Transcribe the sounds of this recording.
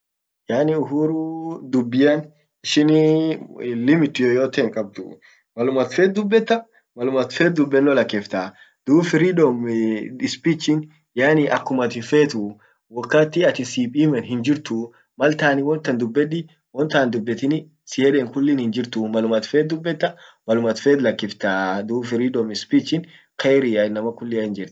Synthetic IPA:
jaːnɪʊɦuːɾud̪ʊbːɪjɐn | ɪʃɪn | lɪmɪt̪ːjojoːt̪eːŋkʼɐb̚d̪ʊ̰ | mɐlʊmɐt̪feːt̪̚d̪ʊbːɛt̪ːɐ | mɐlʊmɐt̪feːt̪̚d̪ʊbːɛnːɔlɐkːeːft̪a | d̪̥uːbfɪɾidɔmɪspiːt͡ʃːɪn | jaːnɪʔɐkːʊmɐt̪ɪfeːt̪ʊ | wɔkːaːt̪ːɪɐt̪ɪsiːpʼiːmɛnɦɪnd͡ʒɪɾt̪ʊ | mɐlt̪aːnɪwɔnt̪ːɐnd̪ʊbːɛᶑɪ | wɔnt̪aːnd̪ʊbːɛt̪ɪnɪ | sɪjeːᶑɛŋkʊlːɪnhɪnd͡ʒɪɾt̪ʊmɐlʊmɐt̪feːt̪̚d̪ʊbːɛt̪ːɐmɐlʊmɐt̪feːt̪lɐkːɪft̪aːd̪uːfɪɾidɔmɪspit͡ʃːɪn | kɐjɾɪɐɪnːɐmɐkʊlːɪɐhɪnd͡ʒɪɾt̪

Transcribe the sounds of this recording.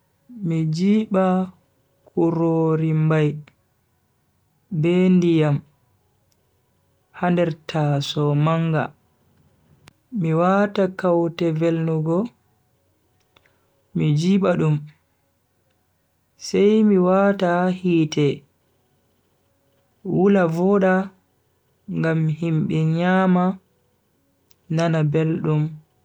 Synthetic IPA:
mid͡ʒiːɓa | kʰuɾoɾimbaj | bɛndijam | handɛɾtʰasɔmaŋɡa̰ | miwatakawtɛvelnuɡɔ | mid͡ʒiɓaɗum | sajmiwatahiːtɛ | wulavɔɗa | ŋɡamhimɓɛɲaːma | nanabelɗum

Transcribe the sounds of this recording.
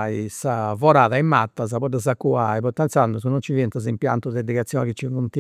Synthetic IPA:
isavɔɾaːðaimːat̪ːaz̬aβɔd̪azakːuaipɔt̪ːɛnt̪sand̪uzunont͡ʃiviɛnt̪azimpja̰nt̪uðɛd̪iɣat̪sːjɔːnɛkit͡ʃːikunt̪i

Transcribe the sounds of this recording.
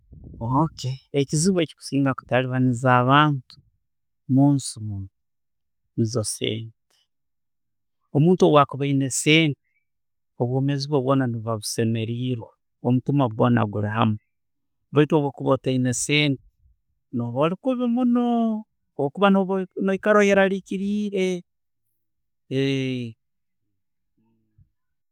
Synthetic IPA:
okʰeːciziβe̞ci̥ku̥siːŋɡaku̥taliβanizaːβaːntu̥ | muːnsimun | nizosḛːnte̥ | omuːntuowakuβaineseːnte | oβwo̞ːmeziβwoβwo̞ːnaniβaβuse̞me̞ɾiːɾwa | omutimaβwoːna̰ɡuɾiɦamu | βaitwowokuβoteineseːnti̥ | noβolikuβimunoː | wokuβanonoikaɾojeɾaɾikiɾiːɾe

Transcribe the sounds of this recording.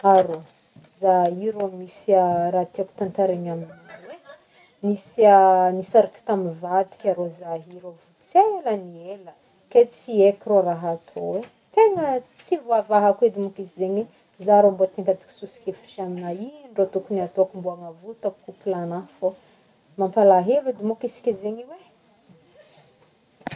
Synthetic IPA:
aɾo | zaiɾomisiaɾat̪iaku̥t̪ant̪aɾeɲamiinwe | nisianisaɾaki̥t̪amivad̪i̥kʲaɾozaɦiɾovut͡selənielə | ket͡siekiroraɦat̪ʰowe | t̪eŋət͡sivoavaɦaked̪imukisizeɲe | zaɾombot̪eŋkad̪i̥ki̥susi̥kʲefi̥t͡ʃaminaiɳɖ͡ʐot̪ukuniat̪oakumbuamavut̪akkupilanafo | mampalaɦelud̪imukisi̥kʲizeɲiwe

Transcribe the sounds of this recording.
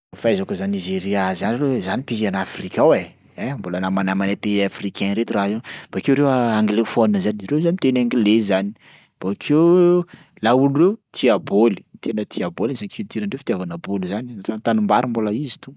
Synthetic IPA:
fajzakuzanizeɾiazanrewzanipiɦanafrikʲawe | embolənamanamanepeafrikɛ̃nɾet̪urazenb̥akewɾewaŋɡlefoninəzanrewzanit̪enaŋɡilezani̥ | b̥akʰew | lauluret̪ʰiaboli̥t̪enət̪ʰiabolinzaket̪iɾaɳɖ͡ʐewfit̪ʲjavanabolizanitant̪anumbaɾimboləizi̥t̪u

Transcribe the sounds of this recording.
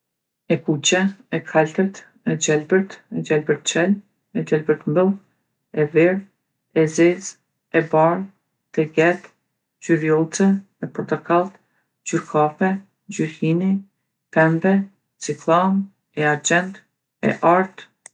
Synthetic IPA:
ɛkut͡ɕɛɛkʰalt̪əɾt̪ | ɛd͡ʑɛlbəɾt̪ɛd͡ʑɛlbəɾt̪t͡ʃɛl | ɛd͡ʑɛlbəɾt̪mbəlˠ | ɛviɾ | ɛzɛz | ɛbar | t̪ɛɡɛt̪ | d͡ʑyɾjɔt͡sɛ | ɛpɾɔt̪ɔkalˠt̪ | d͡ʑyɾkʰafɛ | d͡ʑyɾkini | tɛmbɛ | t͡siklˠam | ɛaɾd͡ʑɛnt̪ | ɛ̰ʔaɾt̪

